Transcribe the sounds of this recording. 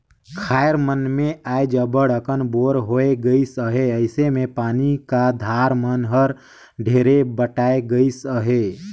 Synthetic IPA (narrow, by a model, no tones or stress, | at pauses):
kʰaːjəɾmənmẽaːjd͡ʒəbəɽəkənboːɾɦoːeɡəisəɦeəɪsemẽpaːnikad̪ʱaːɾmənɦəɾ | ɖʱeːɾebəʈaːeɡəisəɦe